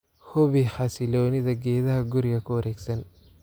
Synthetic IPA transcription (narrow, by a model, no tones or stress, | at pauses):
hɔβiħɑsɪlɔːnɪðɐɡɛːðɐɦɐɡʊɾɪɣɐkʰʊwɐɾʔɛːɡsɐn